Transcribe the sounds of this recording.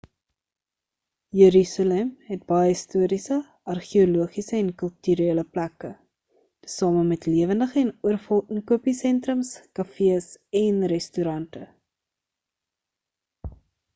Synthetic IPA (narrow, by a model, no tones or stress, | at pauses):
jəɾysɑlɛmɦɛt̚bɐjəstuəɾisə | ʔɐrχioluəχisəɛnkəlˠtyɾeːləplækə | tə̥sɑːməmɛtliəvəndəχəɛnuərfɔlˠkəŋkuəpisɛntrəmskɐfiəsɛnrɛstyɾɐntə